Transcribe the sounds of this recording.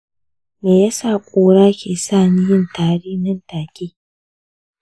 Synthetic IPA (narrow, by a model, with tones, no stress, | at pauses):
meː˨ja˦saː˦˨kʷʼoː˦ɽaː˦kʲeː˨saː˦˨ni˦jɪ˦ntaː˨ɽiː˦nɪ˦ntaː˨kʲʼiː˦